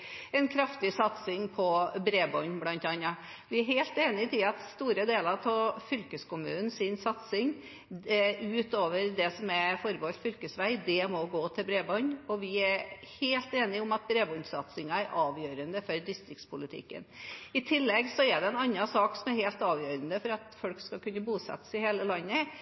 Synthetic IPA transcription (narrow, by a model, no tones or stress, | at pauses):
ɛnkʰɾɑft̪ɪsɑt̪sɪŋpʰɔbɾeːbɔnblɑnt̪ɑnːɑ | ʋɪæɾheːlt̪eːnɪt̪ʰɪɑt̪st̪uːɾəd̪eːlɑɾt̪ʰɑːfʏlkəskʊmʉ̰ːnn̩sɪnsɑt̪sɪŋ | ʉːt̪oːʋəɾd̪ɛsɔmɛfɔɾbɔfʏlkəsʋæɪd̪ɛmɔɡoːt̪ʰɪlbɾeːbɔnɔʋɪæɾheːlt̪eːnɪʊmɑt̪̚bɾeːbɔnsɑt̪sɪŋɑæɾʔɑːʋjøːɾənd̪əfɔɾd̪ɪst̪ɾɪkt̪spʰʊlɪt̪ʰɪ̰kːə̰nɪt̪ʰɪlːɛɡsɔɛɖ̪ɛɛnɑnːɑsɑːksɔmæɾheːlt̪ɑːʋjøːɾənd̪əfɔɾɑt̪fɔlkskɑkʉnːəbuːsɛ̰t̪ːə̥sɪheːləlɑnːə